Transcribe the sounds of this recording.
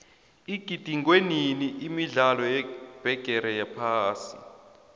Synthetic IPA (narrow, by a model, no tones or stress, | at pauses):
iɡ̥ʱid̥ʱiŋɡweniniʔimiɮalɔjɛb̥ʱɛɡ̥ʱɛɾɛjapʰaːsi̥